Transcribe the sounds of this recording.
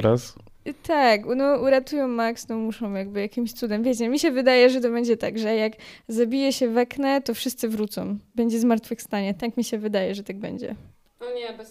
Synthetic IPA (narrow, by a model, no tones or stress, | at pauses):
ɾas | t̪aknɔuɾat̪ujɔ̃w̃maksnɔmuʂɔ̃w̃jaɡ̚bɘjakʲimɕt̪sud̪ɛmvʲɛt͡ɕɛmʲiɕɛvɘd̪ajɛʐɛt̪̬ɔbɛɲd͡ʑɛt̪a̰ɡʐɛjaɡzabʲijɛɕɛvɛknɛt̪ɔfʂɘst̪sɘvɾut̪sɔ̰̃w̃bɛɲd͡ʑɛzmaɾt̪fɘxst̪aɲɛt̪akmʲiɕɛvɘd̪ajɛʐɛt̪aɡ̚bɛ̰ɲd͡ʑɛ̰ | aɲɛ